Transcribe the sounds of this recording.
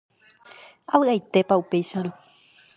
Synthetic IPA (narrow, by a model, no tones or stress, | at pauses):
aβɨajt̪e̞paupe̞jʃaɾ̃õ